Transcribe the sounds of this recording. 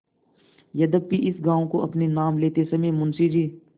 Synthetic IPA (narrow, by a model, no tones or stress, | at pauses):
jɐd̪əbiʔɪsɡãːõkoʔɐpnenaːmleːt̪esɐmẽːmʊnsid͡ʒiː